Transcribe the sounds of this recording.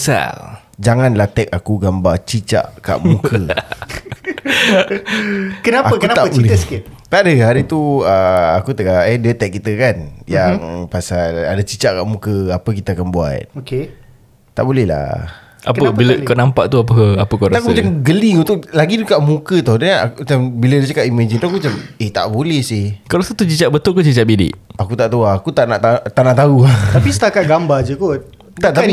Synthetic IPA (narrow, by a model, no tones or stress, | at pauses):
sa̰l | d͡ʒaŋanlat̪ɛk̚akuɡambat͡ʃit͡ʃa̰ʔka̰ʔmũkʰə | kənaakəkənat̪aəbt͡ʃiilɛt̪əsə̥kɪt̪̚t̪aʔdəɦaɾit̪uəakut̪əkaʔɛdiət̪ɛk̚ːit̪əkanjaŋpasaladat͡ʃit͡ʃaʔkaʔmũkəapəkit̪aakanbua̰t̪̚oke | t̪ːa̰ʔbolɛhla̰ | ʔa̰pəbiləkanampaʔt̪uap̬əkaaəkoɾakumat͡ʃamɡəliunt̪ʊʔlaɡidukaʔmũkət̪ɔhda̰kumt͡ʃambilədiət͡ʃakaʔimad͡ʒənt̪uakumt͡ʃameht̪a̰ʔbolɛhsɪhkalasat̪ut͡ʃit͡ʃaʔbət̪ʊlkut͡ʃit͡ʃaʔ̚bidɪ̰ʔakut̪aʔt̪uaːkut̪aʔnaʔt̪at̪aʔnaʔt̪auat̪apisə̥t̪akat̪̚ɡambad͡ʒəkot̚ | t̪aʔt̪ai